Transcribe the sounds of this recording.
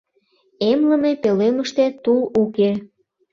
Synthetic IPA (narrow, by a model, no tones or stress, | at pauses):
emləmepeleməʃt̪et̪uluke